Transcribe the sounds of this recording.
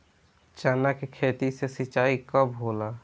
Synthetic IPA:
t͡ʃaːnakekʰeːt̪isesit͡ʃaːikəbɦoːla

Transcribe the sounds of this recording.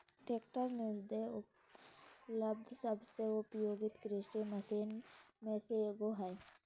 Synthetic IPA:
ʈeːkʈəɾnɪd͡ʒd̪eʊ | ləb̚d̪ʱsəbseʊpjoːɡɪt̪kɾɪʃʈeməsiːnmẽseeːɡoɦɛː

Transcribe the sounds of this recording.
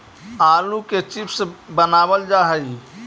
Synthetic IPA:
aːluket͡ʃipsbənaːbəld͡ʒaːɦəi

